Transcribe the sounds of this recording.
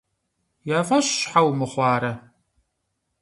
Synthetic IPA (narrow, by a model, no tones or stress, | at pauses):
jaːvɐɕɕħawmɨχʷɑːɾɐ